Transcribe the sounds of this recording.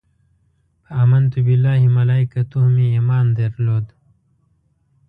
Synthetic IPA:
aːmɐnt̪ubilːaːɦimɐlaːikɐt̪uhmiiːmaːnd̪eɾloːd̪

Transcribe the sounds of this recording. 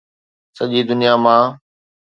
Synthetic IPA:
səʄiːd̪ʊnijamãː

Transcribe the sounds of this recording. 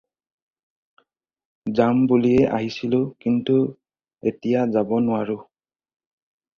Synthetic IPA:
zambuliɛʔa̰ɦisilʊkintu | etijazabɔnʊwaɹʊ

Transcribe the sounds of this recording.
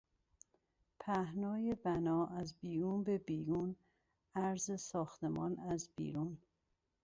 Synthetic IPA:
pʰæhnɒːjebænɒːʔæzbiːɾuːnbe̞biːɾuːn | æɾzesɒːxt̪emɒːnæzbḭːɾuːn

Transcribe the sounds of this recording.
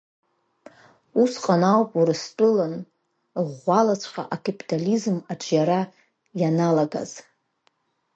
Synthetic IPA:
usqʼanawpʼuɾɨstʷʼʊlan | ʁʷalat͡ɕʷʰqa̰ʔakʰʼapʼitʰʼalizmaʈ͡ʂʷʰʼjaɾa | janalaɡa̰z̥

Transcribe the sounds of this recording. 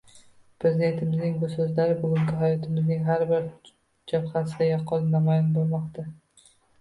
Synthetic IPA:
pɾe̞zɪd̪e̞nt̪ʰɪmɪznɪŋbʊsɵzlaɾɪbʊɡʲʊŋɡʲɪɦajɒt̪ʰɪmɪznɪŋɦaɾbɪɾ | d͡ʒabχasɪd̪ajɒqʰːɒlnamɒjɒnboɾˠmɒqt̪ʰa

